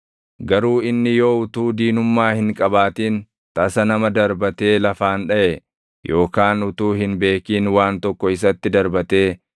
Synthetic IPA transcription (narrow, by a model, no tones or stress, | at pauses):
ɡɐɾuːɪnːɪjo̞ːʊt̪uːd̪iːnʊmːaːhɪŋkʼɐbaːt̪iːn | t̪ɐsɐnɐmɐd̪ɐɾbɐt̪e̞ːlɐfaːnᶑɐʔɛ | jo̞ːkaːnʊt̪uːɦɪnbe̞ːkiːnwaːnt̪ɔkːɔɪs̬ɐt̪ːɪd̪ɐɾbɐt̪e̞ː